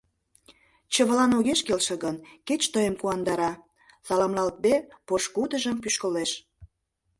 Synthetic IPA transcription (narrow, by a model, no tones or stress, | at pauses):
t͡ɕə̆βəlɑnoɣeʃkelʃə̆ɣənket͡ɕt̪əjəmkuɑnd̪ɑɾɑ | sɑlɑmlɑlt̪̚bepoʃkud̪əʒə̆mpyʃkə̆leʃ